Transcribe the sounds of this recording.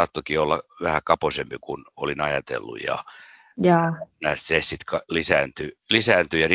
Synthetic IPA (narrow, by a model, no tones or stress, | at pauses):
ɑːt̪ːokiolːɑʋæhækɑposempikunolinɑjɑt̪ḛlːṵjɑ̰ | jɑːnæsesit̪kɑlisæːnt̪ylisæːnt̪yjɑr